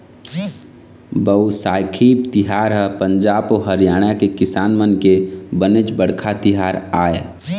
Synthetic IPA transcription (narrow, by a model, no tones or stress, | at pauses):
bəwsaːjkʰiːb̚t̪ɪɦaːɾɦəpə̃ɲd͡ʒaːboɦəɾjaːɽ̃akekɪsaːnmənkebənet͡ʃbəɽkʰat̪ɪɦaːɾaːḛ